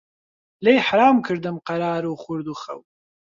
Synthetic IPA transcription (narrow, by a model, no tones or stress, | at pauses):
lejħaɾaːmkʰɨɾd̪ɨmqɐɾaːɾuχʊɾd̪uxɐ̰w